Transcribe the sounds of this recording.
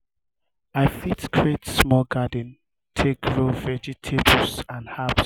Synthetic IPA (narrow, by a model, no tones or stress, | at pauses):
aɪfitskʰɹetsmɔɡadə̃n | tʰekɹovɛd͡ʒitʰebəsãnhaps